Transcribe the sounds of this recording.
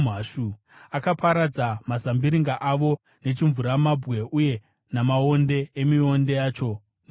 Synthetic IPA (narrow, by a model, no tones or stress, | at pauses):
aːʃu | akapʰaɾad͡zamazambiɾiŋɡaʔaʋo̞ | ne̞t͡ʃiɱvuɾamabɣe̞uje̞ | namaonde̞emio̞nde̞jaːt͡ʃo̞ | n